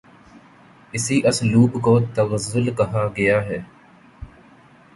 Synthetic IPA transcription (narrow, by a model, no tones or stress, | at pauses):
ɪsiʔɐsluːbkot̪ɐɣəzːʊlkɐɦaɡɐjaːɦɛː